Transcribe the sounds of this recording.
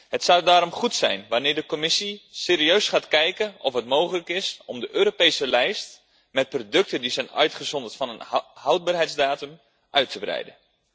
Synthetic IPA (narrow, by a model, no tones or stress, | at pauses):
hətsadaːɾɔmχutsɛ̰jnʋanɪːrdəkomɪsiseːɾiøɥsχaːtkɛjkənɔfɦətmowχələkɪsɔmdəʔøːɾopejsəlɛjst | mɛt̚prodɵk̚tədisɛjnœ̰ɥtχəzɔndərtfɑnənhawd̚baːrɦɛjtzdaːtəm | ʔœɥtʰəbrɛ̰jdə